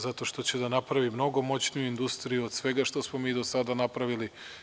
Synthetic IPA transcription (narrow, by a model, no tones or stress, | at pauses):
zat̪o̞ʃt̪o̞t͡ɕed̪anapɾaʋimno̞ɡo̞mo̞t͡ɕnijuind̪ust̪ɾijuod̪̥sʋe̞ɡaʃt̪o̞smo̞miːd̪o̞sad̪anapɾaʋili